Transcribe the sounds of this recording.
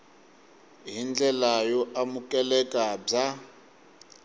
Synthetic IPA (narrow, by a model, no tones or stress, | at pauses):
ɦind͡ɮɛlajɔʔamukʼɛlɛkʼab͡ʐa